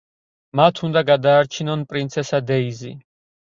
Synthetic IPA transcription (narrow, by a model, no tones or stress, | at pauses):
mat̪ʰund̪aɡad̪aːɾt͡ʃʰinɔnpʼɾint̪sʰɛsad̪ɛizi